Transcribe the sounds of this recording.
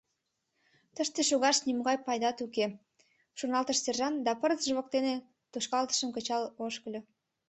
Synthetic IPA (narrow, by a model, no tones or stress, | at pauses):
t̪əʃt̪eʃuɣɑʃniməɣɑjpɑjd̪ɑt̪uke | ʃurnɑlˠt̪əʃserʒɑnd̪ɑpərzʒəβok̚t̪ene | t̪uʃkɑlt̪ə̥ʃəmkə̆t͡ɕɑloʃkəlʲø